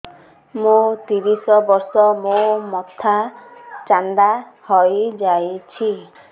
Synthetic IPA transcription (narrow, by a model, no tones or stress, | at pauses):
mõt̪iɾisɔbɔɾsɔmõmɔt̪ʰat͡ʃand̪ahɔjd͡ʒajt͡ʃʰi